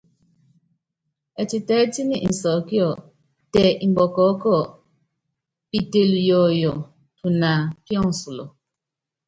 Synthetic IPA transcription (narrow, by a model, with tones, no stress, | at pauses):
ɛ˨ti˨tɛ˨˦ti˦ni˦˨ʔi˨n̩˨sɔ˨ki˦ɔ˨ | tɛ˨ʔi˨m˨bɔ˨kɔ˨˦kɔ˦˨ | pi˨te˨ljɔ˨jɔ˨ | tu˨na˨kjɔ̃˦ŋ̩˨su˨lɔ̰˨